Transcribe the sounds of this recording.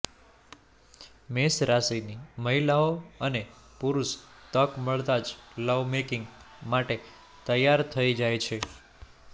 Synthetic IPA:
mesɾasiniməɦilaoəne | puɾuʃt̪əkməɭd̪ad͡ʒləʋmekɪŋɡ | maʈe | t̪əjaɾt̪ʰəid͡ʒajt͡ʃʰe

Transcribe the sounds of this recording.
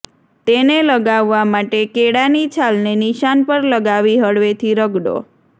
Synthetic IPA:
t̪eneləɡaʋːamaʈekeɽanit͡ʃʰalneniʃanpəɾləɡaʋiɦəɽʋet̪ʰiɾəɡɽo̰

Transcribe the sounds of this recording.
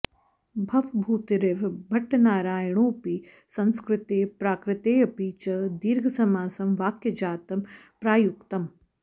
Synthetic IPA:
bʱɐʋbʱuːt̪iɾeʋbʱɐʈːɐnaːɾaːjɐɳ̃oːpi | sɐnskɾɪt̪eːpɾaːkɾɪt̪eːjɐpiːt͡ʃɐd̪iːɾɡʱɐsɐmaːsɐmʋaːkjɐd͡ʒaːt̪ɐm | pɾaːjukt̪ɐm

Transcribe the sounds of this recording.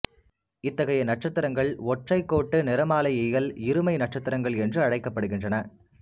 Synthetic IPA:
ɪt̪ːɐɣɐjɐnɐʈ̚t͡ʃɐt̪ːɪɾɐŋɡɐɭɔʈrɐɪkːoːʈːɯnɪɾɐmaːlɐjɛjɐlɪɾɯmɐɪnɐʈ̚t͡ʃɐt̪ːɪɾɐŋɡɐɭɛndrɯɐɽɐɪkːɐpːɐɽɯɣɪndrɐnɐ

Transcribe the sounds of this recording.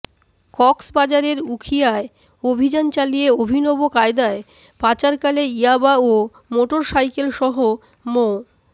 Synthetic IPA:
kɔksbad͡ʑaɾeɾukʰijae | obʱid͡ʑant͡ɕalijeobʱinɔbokaed̪ae | pat͡ɕaɾkaleiabao | moʈoɾʃajkelʃɔɦo | mo

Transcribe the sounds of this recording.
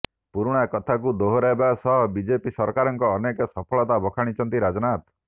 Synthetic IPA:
puɾuɽ̃akɔt̪ʰakud̪oɦoɾaebasɔɦɔbid͡ʒepisɔɾkaɾɔŋkɔːnekɔsɔpʰɔɭɔt̪abɔkʰaɽ̃it͡ʃʰɔnt̪iɾad͡ʒɔnat̪

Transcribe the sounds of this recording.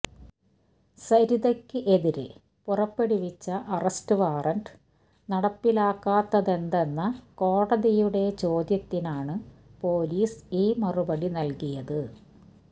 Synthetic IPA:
sɐɾiðɐkʲːɨʔe̞ðiɾɨ̰ | purɐpːe̞ɽiʋit͡ɕːɐʔɐrɐstɨʋaːrɐɳɖ | nɐɽɐpːilaːkːaːt̪ːɐðe̞nd̪e̞nːɐko̞ːɽɐðijuɽe̞t͡ɕo̞ːd̪jɐt̪ːinaːɳɨpo̞ːliːsiːmɐrubɐɽinɐlkijɐðɨ

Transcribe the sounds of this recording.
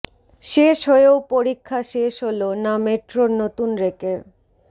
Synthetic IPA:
ʃeʃɦoeopoɾikʰːaʃeʃɦolonameʈɾoɾnot̪unɾekeɾ

